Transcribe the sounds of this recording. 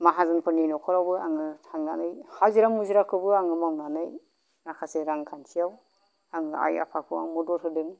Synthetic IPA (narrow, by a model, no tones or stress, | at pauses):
maɦazɯnpʰɯɾninɔkʰɔɾawbɯaŋɯtʰaŋnanɯjhaziɾamuziɾakʰɯbɯaŋɯmawnanɯj | nakʰaseɾaŋkʰansʰijaw | aŋɯa̰ja̰pʰakʰɯwa̰ŋmɔdɔtʰɯdɯŋ